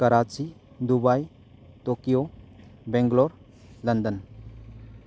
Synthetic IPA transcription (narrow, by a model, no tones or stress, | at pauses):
kaɾat͡ʃi | d̪ubaj | tɔkijobɛŋɡlɔɾ | lənd̪ən